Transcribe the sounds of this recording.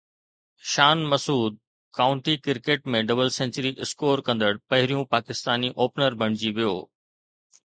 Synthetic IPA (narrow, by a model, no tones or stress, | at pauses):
ʃaːnmɐsuːd̪̚ | kaːʊ̃ɳʈikɪɾkeːʈ̚mẽɖɐbəlsẽːɲt͡ɕəɾiʔɪskoːɾkɐ̃nd̪əɽpɐɦɪɾijũpaːkɪst̪aːniʔoːpnəɾbʱɐɽ̃ɪd͡ʑiʋijo̰ː